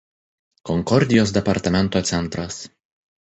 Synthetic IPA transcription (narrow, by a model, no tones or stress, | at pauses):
kɔŋkɔɾʲd̪ʲɪjoːs̬d̪ʲɛpɐɾt̪ɐmʲɛnˑt̪oːt̪sʲɛnˑt̪ɾɐs